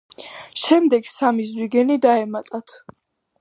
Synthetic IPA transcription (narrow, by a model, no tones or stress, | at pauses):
ʃɛmd̪ɛɡsamizwiɡɛnid̪aɛmat̪ʼat̪ʰ